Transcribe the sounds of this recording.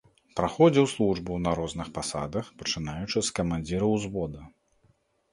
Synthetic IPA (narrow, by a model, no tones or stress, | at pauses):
pɾaxɔd͡zʲɛwslˠuʐbuwnɐɾɔznɨxpasa̰d̪ɐxpɐt͡ʂɨnajut͡ʂɨskɐmanʲd͡zʲiɾɐwzbɔd̪ɐ